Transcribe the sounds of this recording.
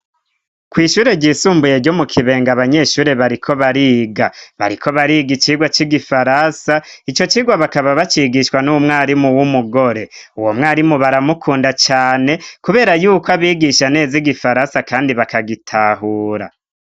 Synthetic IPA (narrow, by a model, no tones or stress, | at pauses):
kwiːʃuːɾe̞ɟiːsuːmbuje̞ɾɟo̞mukʰiβe̞ːŋɡaβaɲe̞ʃuːɾe̞βaɾikʰo̞βaɾiːɡaβa̰ɾikʰo̞βaɾiːɡit͡ʃiːɡwat͡ʃiɡifaɾasa | it͡ʃo̞t͡ʃiːɡwaβakaβaβat͡ʃiɡiʃwanumŋaːɾimuwumuɡo̞ɾe̞ | uwo̞mŋaːɾimuβaɾamukʰuːndat͡ʃaːne̞kuβe̞ːɾajuːkoaβiːɡiʃane̞ːziɡifaɾasakaːndiβakaɡitʰaɦuːɾa̰